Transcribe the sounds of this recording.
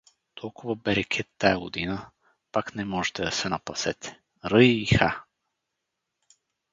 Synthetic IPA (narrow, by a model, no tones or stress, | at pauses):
t̪ʰɔlˠkʊvəbɛɾɛkʰʲɛt̪ːajɐɡod̪inə | paknɛmɔʒɛt̪ɛd̪ɐsɛnɐpɐsɛt̪ɛ̥ | ɾɤːxa